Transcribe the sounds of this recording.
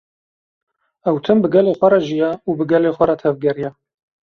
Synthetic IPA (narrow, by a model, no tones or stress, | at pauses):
ɛwt̪ʰɨmbɨɡɛleːxʷɛɾɑʒijɛuːbɨɡɛleːxʷɛɾɑt̪ʰɛvɡɛɾijɛ